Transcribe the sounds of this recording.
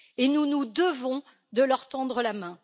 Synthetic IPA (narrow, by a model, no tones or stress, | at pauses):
enunud̪əvɔ̃ | d̪əlœʁt̪ɑ̃d̪ʁəlamɛ̃